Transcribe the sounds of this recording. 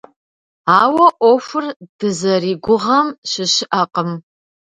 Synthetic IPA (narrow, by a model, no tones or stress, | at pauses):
aːwɐʔʷofʷʊrd̥ɨzɐriːɡʷʊʁɐmʃɪɕɪʔɐqʼəm